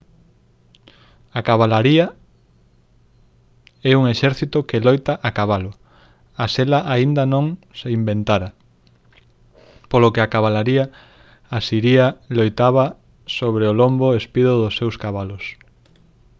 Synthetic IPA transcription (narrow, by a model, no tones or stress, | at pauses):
akaβalaɾia | ɛuŋeʃɛɾθit̪okelojt̪aʔakaβalʊ | aselaʔaind̪ɐnõŋseimbent̪aɾa | polokeakaβalaɾia | asiɾialojt̪aβa | soβɾeolomboespiðoðosːewskaβalos